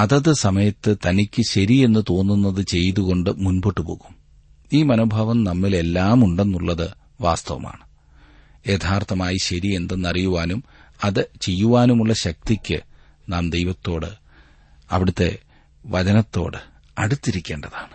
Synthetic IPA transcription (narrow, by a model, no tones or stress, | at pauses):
ɐðɐðɨsɐmɐjɐt̪ːɨt̪ɐnikʲːɨɕɐɾie̞nːɨt̪o̞ːnːunːɐðɨt͡ɕe̞jtðuɣo̞ɳɖɨmunboːʈːupo̞̰ːɣum | iːmɐnoːbʱɐʋɐmnɐmːile̞lːaːmuɳɖe̞nːuɭːɐðɨ | ʋa̰ːst̪ɐʋɐ̰ma̰ːɳɨ | e̞ːt̪ʰaːrt̪ːɐmaːjiɕɐɾie̞nd̪ɐnːɐrijuʋaːnum | ɐðɨt͡ɕe̞jːuʋaːnumuɭːɐɕɐk̚t̪ikʲːɨ̰ | naːmd̪e̞jʋɐt̪ːo̞ːɽɨ̰ | ɐ̰ʋiɽut̪ːe̞̰ | ʋɐt͡ɕɐnɐt̪ːo̞̰ːɽɨ | ɐɽut̪ːiɾikʲːe̞ːɳɖɐðaːɳɨ̥